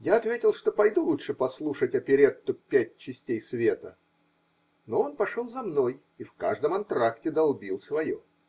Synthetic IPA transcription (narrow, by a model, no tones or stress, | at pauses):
jaɐt̪vʲetʲɪlˠʂt̪o̞pɐjd̪ulˠutʂɨpɐslˠuʂətʲɐpʲɪɾʲet̪t̪ːʊpʲæt̚ʲt͡ɕːɪsʲtʲejsvʲe̞t̪ə | no̞o̞npɐʂolˠzɐmno̞j | ifkaʐd̪əmɐnt̪ɾaktʲɪd̪ɐlˠbʲilˠsvɐjo̰